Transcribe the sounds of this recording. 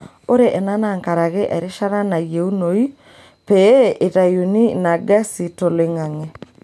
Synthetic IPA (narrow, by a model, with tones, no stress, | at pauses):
o˦ɾe˨ʔɛ˨na˦na˨ŋka˨ɾa˨ɣe˦ʔɛ˨ɾe˦ʃa˦ɾa˦na˨je˨u˦no˨i˦ | pe˦ʔe˨ta˨ju˨ni˦na˨ɡɛ˦si˨to˨le˨ŋa˨ŋe˨